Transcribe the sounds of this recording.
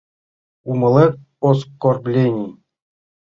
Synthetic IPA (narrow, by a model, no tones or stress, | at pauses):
umɤ̆lˠek | oskorblʲenʲij